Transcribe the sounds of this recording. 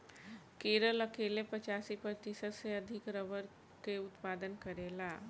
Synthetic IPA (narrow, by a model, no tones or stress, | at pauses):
keːɾəlɐkeːlepɐt͡ʃaːsipɾət̪ɪsət̪seɐd̪ʱɪkɾəʋəɾ | keʊt̪paːd̪ənkəɾeːlaː